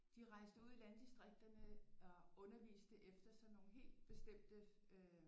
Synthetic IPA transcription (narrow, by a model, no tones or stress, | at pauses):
d̥iʁɑ̈ɪsd̥əuð̰ˠilænd̥isd̥ʁeɡ̥̚d̥ɐnəɒ̽ʔɔ̽nɐʋḭːsd̥əʔefd̥ɐsɒ̽no̝ːn̩ɦe̝̰ːld̥̚b̥e̝sd̥em̰d̥əø